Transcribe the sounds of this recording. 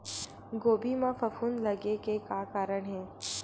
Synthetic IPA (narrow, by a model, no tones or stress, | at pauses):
ɡoːbimãfɐfuːnlɐɡekekaːkaːɾəɽ̃ɦɛː